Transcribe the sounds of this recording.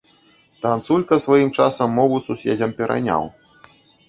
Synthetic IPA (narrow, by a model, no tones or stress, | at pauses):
t̪ant̪sulʲkɐsvajimt͡ʂasɐmːɔvususʲḛd͡zʲɐmpʲɛɾʔa̰nʲa̰w